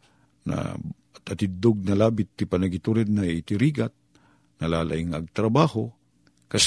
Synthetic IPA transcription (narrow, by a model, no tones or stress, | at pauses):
na̰ | t̪ɐt̪ɪd̪oɡ̚nɐlaːbɪt̪ːɪpɐnɐɡɪt̪uɾɛd̪̚nɐit̪ɪɾiːɡat̪̚ | nɐlaːla̰ʔɪŋɐɡ̚t̪ɾɐbaːho | kɐs